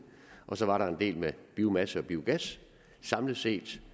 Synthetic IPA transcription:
ʔɒ̽sɒ̽ʋɑ̈ɾɑ̈e̝nd̥e̝̰ːlmeb̥iːʊmæsəɒ̽b̥iːʊɡ̥æs | sɑ̈mləse̝̰ːd̥

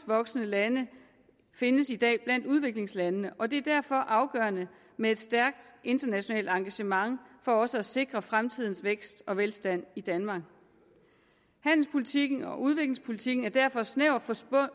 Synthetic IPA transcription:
ʋɒ̽ɡ̥sənəlænə | fe̝nəsid̥ɛ̰ːb̥læn̰d̥uð̞ˠʋe̝ɡ̥le̝ŋslænənəʔɒ̽d̥e̝æɐd̥æɐ̰fɒ̽ʔɑ̈ʊɡ̥ɶ̰ːɐnə | mee̝d̥sd̥æɐɡ̥d̥ʔe̝nd̥ɐnæɕo̝nɛ̰ːld̥ɑ̈ŋɡ̥æɕəmɑ̈ŋfɒ̽ɒ̽səæse̝ɡ̥ʁɐfʁamt͡sʰið̞̰ˠn̩sʋeɡ̥sd̥ɒ̽ʋelsd̥æn̰id̥ænmɑ̈ːɡ̥ | hæn̰l̩spʰolit͡sʰiɡ̥n̩ɒʔuð̞ˠʋe̝ɡ̥le̝ŋspʰo̝lit͡sʰiɡ̥n̩æɐd̥æɐ̰fɒ̽sneʊ̰fɒ̥

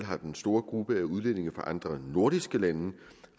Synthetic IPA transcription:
lɦɑ̈d̥ensd̥o̝ːɐɡ̥ʁub̥əæuð̞ˠlene̝ŋɐfɑ̈ʔɑ̈nd̥ʁɐno̝ɐɾ̥isɡ̥əlæn

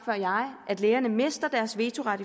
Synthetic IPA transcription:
fɶɐ̰jɑ̈ɪʔæd̥leːɐnəme̝sd̥ɐd̥æɐsʋe̝ːt͡sʰo̝ʁɑ̈d̥i

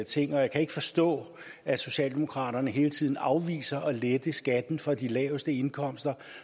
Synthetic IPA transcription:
t͡sʰe̝ŋ̰ɒjakʰæe̝ɡ̥ə̥fɒ̽sd̥ɔ̰̽ː | æso̝ɕɛ̰ːld̥emo̝kʰʁɑ̰̈ːɾ̥ɐnəɦe̝ːlət͡sʰið̞̰ˠn̩ɑ̈ʊʋḭːsɐʔɒ̽led̥əsɡ̥æd̥n̩fɒ̽d̥ilɛːʊsd̥əe̝nkʰɒ̽m̰sd̥ɐ

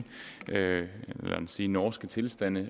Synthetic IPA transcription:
læ̰ænsiːnɒːsɡ̥ət͡sʰe̝lsd̥æn̰ə

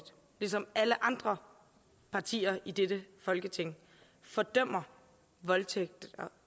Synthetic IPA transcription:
d̥ | lisɒ̽mæləʔɑ̈nd̥ʁɐ | pʰɑ̈t͡sʰḭːɐʔid̥ed̥əfɒ̽lɡ̥ət͡sʰe̝ŋ̰ | fɒ̽d̥œm̰ɐ | ʋɒ̽lt͡sʰeɡ̥̚d̥̩ɒ

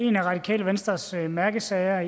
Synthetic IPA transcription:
e̝næʁɑ̈d̥ikʰɛ̰ːləʋensd̥ʁɐsmæɐɡ̥əsɛɪɐ

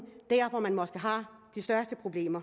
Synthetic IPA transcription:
d̥æɐ̰fɒ̽mænmɒ̽sɡ̥əɦɑ̈d̥isd̥ɶɐsd̥əpʰʁo̝b̥le̝̰ːmɐ

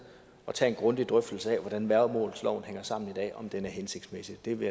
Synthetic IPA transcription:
ɒ̽t͡sʰɛ̰ːe̝nɡ̥ʁɔ̽nd̥id̥ʁœfd̥l̩səɛ̰ʋɒɾ̥ænʋæɐðˠmɔ̰̽ːlð̩ˠslɒ̰ʊn̩heŋ̰ɐsɑ̈m̰n̩id̥ɛ̰ːɒ̽md̥enæɐɦense̝ɡ̥d̥smesi̥d̥e̝ʋe̝

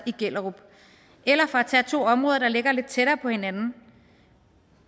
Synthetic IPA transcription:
iɡ̥el̰ɐʁub̥ | elɐfɒ̽æt͡sʰɛt͡sʰo̝̰ːɒ̽mʁɔːðˠɐd̥ɑ̈le̝ɡ̥ɐle̝d̥̚t͡sʰeɾ̥ɐːpʰɒ̽he̝nænn̩

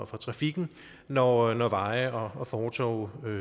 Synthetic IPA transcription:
fʁɑ̈t͡sʰʁɑ̈fiɡ̥n̩ | nɒnɒʋɑ̈ɪɒ̽ɒ̽fɒːt͡sʰɒ̰ʊø

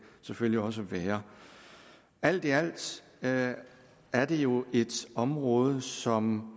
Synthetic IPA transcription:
seføl̰liɒ̽s̬əʋeːɐ | æl̰d̥iæl̰d̥ | æɐd̥ejo̝e̝d̥ɒ̽mʁɔ̽ːð̞ˠəsɒ̽m

